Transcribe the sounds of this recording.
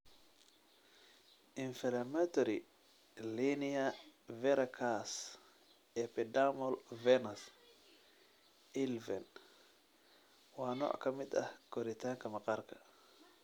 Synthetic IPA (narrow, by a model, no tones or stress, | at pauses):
ʔiɱfɛlamɛtɔɾi | liniavɛɾʔakʰas | ʔɛpɛdamɔlvɛnas | ʔilvɛn | wanɔ̰ʔa̰kamiɗa̰koɾit̪aŋkamaqaɾkḁ